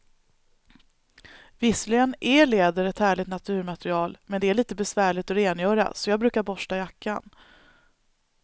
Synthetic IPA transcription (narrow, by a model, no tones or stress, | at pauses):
vɪslɪɡənʔɛɭeːd̪əɾɛt̪hæːɭɪɡt̪nat̪ʰʉ̟ːɾmat̪ɾɪɑːlmɛnd̪ɛæɭiːt̪əbɛsvæːɭɪt̪ɔɾeːnjœːɾa̰sɔjɑːɡbɾʉ̟ːkaɾbɔʂʈajakʰːa̰n